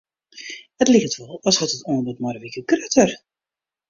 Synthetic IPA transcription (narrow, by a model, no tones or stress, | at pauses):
ətlɪxtʋɔlˠɑshətətondətmɔrəʋikəkrøtər